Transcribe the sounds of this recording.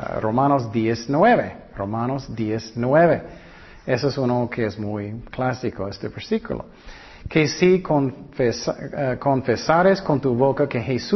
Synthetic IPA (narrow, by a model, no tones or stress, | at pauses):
romanozd̪jesnweβe | romanosd̪jesnweβe | esoesunokʰeesmujklasikoest̪eβeɾsikṵlo̰ | kʰesikonfeskonfesaɾeskont̪uβokakehes